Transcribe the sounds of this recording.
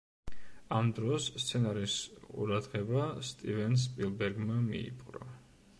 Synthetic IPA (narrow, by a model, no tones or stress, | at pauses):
amd̪ɾɔst̪sʰɛnaɾisqʼṵɾad̪ʁɛbast̪ʼivɛns̬pʼilˠbɛɾɡmamḭḭpʼqʼɾɔ̰